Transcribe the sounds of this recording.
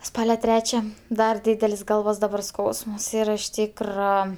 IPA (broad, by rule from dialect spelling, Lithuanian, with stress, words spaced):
ˈspɑːlʲɛ ˈtʲrʲæːt͡ʃʲɛ ˈdɐr ˈdʲiːdʲɛlʲsʲ ˈɡɐlˠʋoːs dɐˈbɐr ˈskɐʊsmɐs ˈiːrɐ ɪʃ ˈtʲiːkroː